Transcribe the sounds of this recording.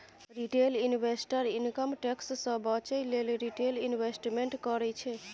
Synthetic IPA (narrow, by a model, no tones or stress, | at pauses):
ɾiʈelinwesʈəɾinkəmʈekssə̃bət͡ʃəjlelɾiʈelinʋesʈmeɳʈkəɾɛt͡ʃʰɛ